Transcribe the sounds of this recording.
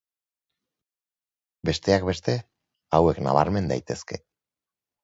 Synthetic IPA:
be̞st̪e̞akbe̞st̪e̞ | awe̞kna̰β̞a̰ɾme̞nd̪ajt̪e̞ske̞

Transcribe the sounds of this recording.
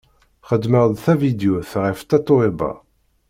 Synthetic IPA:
χəd̪ːməʁðθævid̪juθʁəft̪æt̪ˤːoibɑ̰

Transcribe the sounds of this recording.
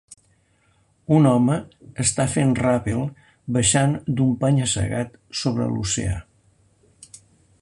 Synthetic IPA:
unɔməːst̪afenrapilˠ | bəʃand̪umpaɲəsə̰ɣat̪soβɾə̰lṵsḛa̰

